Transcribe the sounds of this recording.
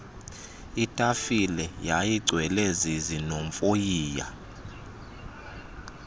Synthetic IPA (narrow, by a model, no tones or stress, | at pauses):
itʼafilɛjajiɡ͡ǀʱwɛlɛzizinoɱfʼojiːja̰